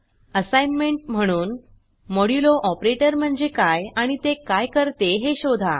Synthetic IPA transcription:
əsajnmeɳʈ̚m̤əɽ̃uːn | moɽiloʔɔpɾeʈəɾm̤əɳd͡zekajaɽ̃it̪ekajkəɾt̪eɦeɕod̪ʱa̰

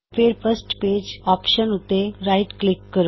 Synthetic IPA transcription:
feɾfəsʈped͡ʑɔpɕənut̪eɾaiʈklikːəɾ

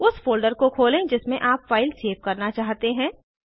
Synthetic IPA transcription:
ʊsfoːlɖəɾkokʰoːlẽd͡ʒɪsmẽʔaːpfaːɪlseːʋkɐɾnat͡ʃaːɦt̪eɦɛ̃ː

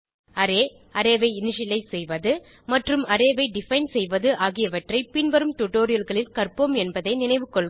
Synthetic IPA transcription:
ɐɾeː | ɐɾeːʋɐɪɪnɪʂɪlɐɪsɛjʋɐðɯ | mɐʈrɯmɐɾeːʋɐɪɖɪfɐɪnsɛjʋɐðɯʔaːɣɪjɐʋɐʈrɐɪpɪnʋɐɾɯmt̪ʊʈːoːɾɪjɐlɣɐɭɪlkɐrpɯmɛnbɐðɐɪnɪnɐɪʋɯkːɔɭ

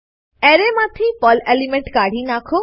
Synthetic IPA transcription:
ɛɾemãt̪ʰipɔlelimẽɳʈkaɽ̤inakʰo

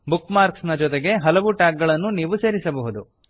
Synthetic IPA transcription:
bukːmaːɾksnɐd͡ʒɔt̪eɡe̞ɦɐlɐʋuʈaːk̚ɡɐɭɐnːuniːʋuse̞ːɾisɐbɐɦud̪u

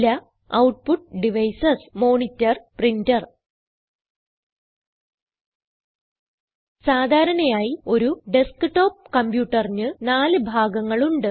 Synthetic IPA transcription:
lɐ | ɐ̰wʈ̚puʈ̚ɖiʋɐjsɐsmo̞ːɳitːɐrprindɐr | saːd̪ʱaːɾɐnejaːjio̞ɾuɖeskɨʈo̞ːp̚kɐmpjuːʈːɐrɲːɨnaːlɨbʱaːɡɐŋːɐɭuɳɖɨ

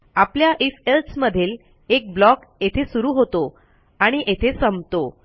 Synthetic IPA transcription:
apljaʔifelsməd̪ʱiːl | ek̚blɔk | et̪ʰesuɾuːɦot̪o | aɽ̃iʔet̪ʰesəmt̪o

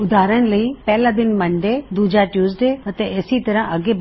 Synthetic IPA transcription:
ʊd̪ʱaːɾəɽ̃̆lɐiːpɛɦlabɪnmɐ̃ɳɖed̪uːd͡ʑaʈjuːzɖeɐt̪eeːsit̪ɐɾə̃ʔɐɡeb

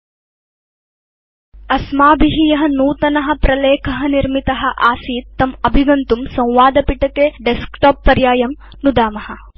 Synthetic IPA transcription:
ɐsmaːbiɦijɐɦɐnuːt̪ɐnɐɦɐ̆pɾɐleːkʰɐɦɐniɾmit̪ɐɦɐ̆ʔaːsiːt̪ːɐmɐbʱiɡɐnt̪umsɐ̃w̃ʋaːd̪ɐpiʈɐkeːɖeskʈoːpːɐɾjaːjɐm | nud̪aːmɐhɐ̆

